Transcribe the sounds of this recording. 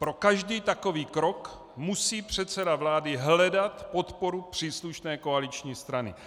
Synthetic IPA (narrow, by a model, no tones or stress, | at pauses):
pɾo̞kaʒdiːt̪ako̞viːkɾo̞k | musiːpr̝̥ɛt̪sɛdavlaːdɪɦlɛdat̪po̞t̪poɾupr̝̥iːsluʃnɛːkoalit͡ʃɲiːst̪ɾanɪ̰